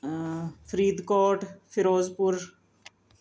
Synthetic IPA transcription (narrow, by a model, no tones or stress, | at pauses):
fɾiːd̪koːʈfʰɪɾoːzpʊɾ